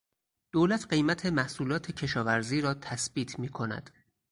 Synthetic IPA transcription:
d̪̥oːlæt̪ʰɢe̞jmæt̪ʰe̞mæhsuːlɒːt̪ʰe̞cʰe̞ʃɒːvæɾziːɾɒːt̪ʰæsbiːt̪ʰmiːkʰo̞næ̰d̪̥

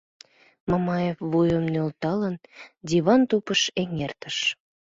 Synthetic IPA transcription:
mɑmɑjefβujəmnølt̪ɑlənd̪ʲiβɑnt̪upəʃeŋert̪əʃ

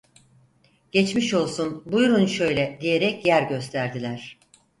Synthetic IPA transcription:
ɟ̥et͡ʃmiʃo̞lˠsunbujɾunʃø̞jlʲɛd̪ije̞ɾɛcjæɾɟø̞st̪ʰæɾd̪ilʲæɾ̥

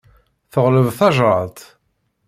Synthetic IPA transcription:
θəʁləvθɑʒɾˤɑt̪

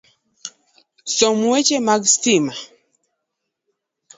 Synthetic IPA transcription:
sɔmuɛt͡ʃɛmaɡstima

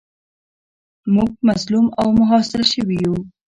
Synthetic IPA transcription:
muɡ̚mazlumawmʊɦɑsɪɾaʃəwiju

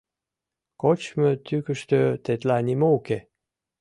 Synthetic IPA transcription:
kot͡ɕmə̆t̪ykə̆ʃt̪øt̪et̪lanʲimouke

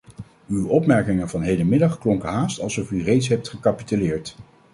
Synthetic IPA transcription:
ywɔpmɛɹkɪŋənvɑnɦejdəmɪdɑχklɔŋkəɦaːstɑlˠsɔfyrejtsɦɛp̚tχəkapitylɪːɹt

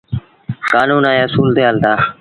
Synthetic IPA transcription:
kaːnuːnãːeːsuːlt̪eɦaːlt̪aː

